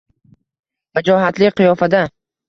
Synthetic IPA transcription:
mad͡ʒɒɦat̪lɪqʰɨjɒfad̪a

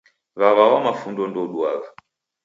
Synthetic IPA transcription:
βaβawamafundɔndɔɗwaɣa

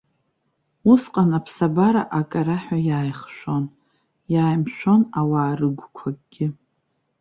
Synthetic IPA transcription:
usqʼanapʰsabaɾaʔakʼaɾaħᶣajaːjχʃʷo̞n | jaːjmʃᶣʷo̞nawaːrɨɡʷkʷʰaɡʼɡʲɪ

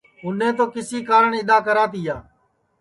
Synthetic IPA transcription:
ʊnẽːt̪̬oːkɪsiːkaːɾəɳɪɗ̪aːkəɾaːt̪̬iːjaː

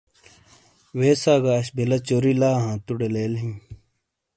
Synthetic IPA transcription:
weːsaːɡaːɕbelɐt͡ɕoːɾilaːɦãːt̪uɽeleːlɦĩː

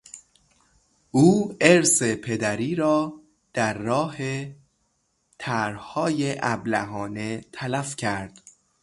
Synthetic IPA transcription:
ʔuːeɾse̞pʰe̞d̪æɾiːɾɒː | d̪̥æɾːɒːhe | t̪ʰæɾhɒːjeʔæblæ̰ɦɒːne̞t̪ʰælæfcʰæɾd̪̥

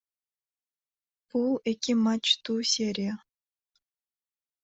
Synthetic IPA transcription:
puekʲːimɑt͡ɕt̪useɾʲe

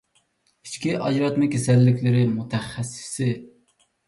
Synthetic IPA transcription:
i̥t͡ʃkʲiʔɑd͡ʒɾɑt̪mɪkʲʰesɛlːɪkʲʰlɪɾɪmut̪ʰɛχːæsːɪ̥sɪ

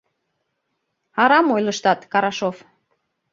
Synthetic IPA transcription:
ɑɾɑmojləʃt̪ɑt̪kɑɾɑʃof

